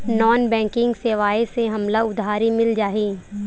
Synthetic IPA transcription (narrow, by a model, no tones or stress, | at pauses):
nɔːnbɛ̃ːŋkɪ̃ŋɡseːʋaːeseɦɐmlaʊd̪ʱaːɾimɪld͡ʒaːɦiː